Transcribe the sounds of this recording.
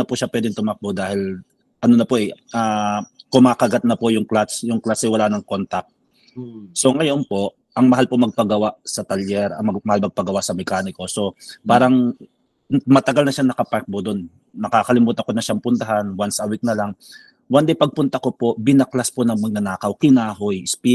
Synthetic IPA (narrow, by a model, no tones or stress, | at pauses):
ɐpʊʃapwɛːd̪ɪŋt̪ʊmak̚bod̪aːhɪl | ʔɐnonɐpoʔɛʔaːkʊmaːkɐɡat̪̚nɐpojʊŋklasjʊŋklasɛwɐlaːnɐŋko̞nt̪ɐk̚ | so̞ŋɐjonpo̞ʔ | ʔɐŋmɐhɦalpomɐɡ̚pɐɡɐwaʔsɐt̪ɐljɛɾɐmɐmɐhalmɐɡ̚pɐɡɐwaʔsɐmɛkaːnɪko̞so̞paːɾɐŋ | mɐt̪ɐɡalnɐʃanɐkɐpaɾk̚bod̪onː | ɐkaːkɐlɪmuːt̪ɐko̞nɐʃaŋpʊnt̪ɐɦanwansɐwik̚nɐlaŋ | wɐnd̪ɛjpɐɡ̚pʊnt̪ɐko̞po̞ʔbɪnɐklasponɐŋmɐɡ̚nɐnaːkɐwkɪnaːɦojɪspi